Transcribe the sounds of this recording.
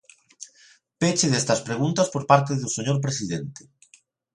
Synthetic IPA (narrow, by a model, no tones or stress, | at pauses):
pet͡ʃeðest̪ɐspɾeɣ̞unt̪ɐspoɾpaɾt̪eðuseɲoɾp̬ɾesiðent̪e̥